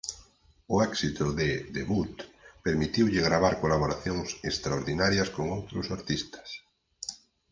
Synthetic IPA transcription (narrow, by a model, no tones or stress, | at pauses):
ʊɛksit̪ʊðeðeβut̪peɾmit̪iwʎɪɣɾaβaɾkolaβ̞oɾaθjoŋsest̪ɾaoɾðinaɾjɐskoŋowt̪ɾʊsaɾt̪ist̪ɐ̥s